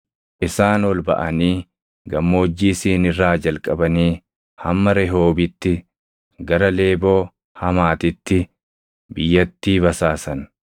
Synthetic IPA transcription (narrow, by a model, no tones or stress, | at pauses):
ʔɪsaːnɔlbɐ̰ʔɐniː | ɡɐmːo̞ːd͡ʒːiːsiːnɪrːaːd͡ʒɐlkʼɐbɐniː | hɐmːɐɾɛɦo̞ːbɪt̪ːɪ | ɡɐɾɐle̞ːbo̞ː | hɐmaːt̪ɪt̪ːɪ | bɪjːɐt̪ːiːbɐsaːsɐn